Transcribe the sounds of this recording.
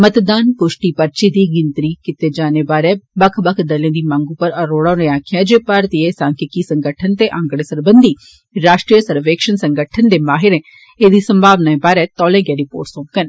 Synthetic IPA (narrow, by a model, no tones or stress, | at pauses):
mət̪d̪aːnkʊʃʈiːpəɾt͡ʃiːd̪iːɡɪnt̪ɾiːkɪt̪eːd͡ʒaːnebaːɾɛːbɐkʰbəkʰd̪əlẽːd̪iːmãːŋɡuːpəɾəɾoːɽãːneãːkʰɪjãːd͡ʒepaɾt̪iesãːkɪkisə̃ŋɡəʈʰənt̪eʔãŋɡəɽeːsəɾbənd̪iː | ɾaːʃʈɾiːəsəɾʋeːkʃənsəŋɡəʈʰənd̪eːmaːɦɪɾɛ̃ | eːd̪iːsəmbʱaːʋnaːẽːbaːɾɛːt̪ɔːlẽːɡɛːɾɪpoːɾʈsõːkən